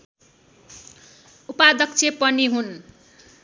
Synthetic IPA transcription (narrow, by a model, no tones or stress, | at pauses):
upad̪ʌk̚t͡sʰepʌniɦun